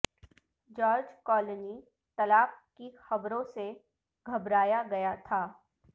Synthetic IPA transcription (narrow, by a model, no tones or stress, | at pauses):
d͡ʒɔːɾd͡ʒkɔːləni | t̪ɐlaːp̚kixɐbɾõse | ɡʱɐbɾaːjaɡɐjat̪ʰaː